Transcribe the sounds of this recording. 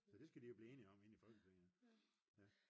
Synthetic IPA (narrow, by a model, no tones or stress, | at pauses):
sɒd̥e̝sɡ̥æd̥ijo̝b̥liːe̝ːniɒ̽me̝nifɒ̽lɡ̥əpʰeŋ | jæ